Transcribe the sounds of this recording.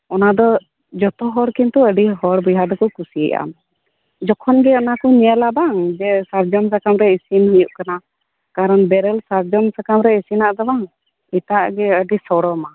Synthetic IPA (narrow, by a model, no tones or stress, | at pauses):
ɔnad̪ɔ | d͡ʒɔt̪ɔɦɔɾkint̪uəɖiɦɔɾbujɦad̪ɔkɔkusiɛ̰ʔa̰m | d͡ʒɔkʰɔnɡɛɔnakuɲialabaŋd͡ʒɛsaɾd͡ʒɔmsakamɾɛisinhijuʔkana | kaɾɔnbɛɾɛlsaɾd͡ʒɔmsakamɾɛisinaʔd̪ɔbaŋ | it̪aʔɡɛəɖisɔɽɔma